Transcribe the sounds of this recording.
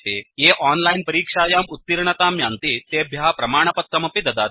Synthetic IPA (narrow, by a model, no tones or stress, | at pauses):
t̪eːjeːʔaːnlaːjnpɐɾiːkʂaːjaːmut̪ːiɾɳɐt̪aːmjaːnt̪it̪eːbʱjaːpɾɐmaːɳ̃ɐpɐt̪̚kːɐmɐpid̪ɐd̪aː